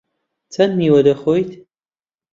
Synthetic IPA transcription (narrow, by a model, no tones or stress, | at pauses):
t͡sʰɐnmiːwɐdɐχojtʰ